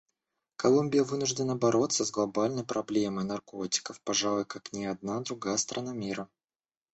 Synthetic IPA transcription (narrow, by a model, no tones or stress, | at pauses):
kɐlˠumʲbʲɪjəvɨnʊʐdʲɪnːəbɐɾo̞t̪səzɡlˠɐbalʲnəjpɾɐblʲe̞məjnɐrko̞tʲɪ̥kəfpɐʐalˠʊjkaknʲɪɐd̪̚nad̪ɾʊɡajəst̪ɾʔɐnamʲiɾə